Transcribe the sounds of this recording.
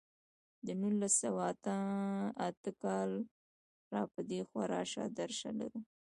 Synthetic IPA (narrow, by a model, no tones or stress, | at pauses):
d̪ənulːasawaːt̪aat̪əkɑl | ɾɑpəd̪exwaɾɑ̰ʃɑ̰d̪aɾʃa̰la̰ɾu